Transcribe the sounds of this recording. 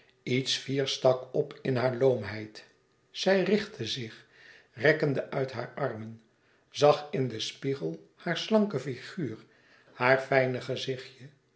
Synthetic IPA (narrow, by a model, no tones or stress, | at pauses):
itsfiːɹstɑkɔpɪnɦaːɹlowmɦɛjt | sɛjrɪχtʰəzɪχ | rɛkəndəʔœɥtɦa̰ːɹɑɹmən | zɑχɪndəspiχəlˠ | haːɹslɑŋkəfiχyːɹ | haːɹfɛjnəχəzɪχjə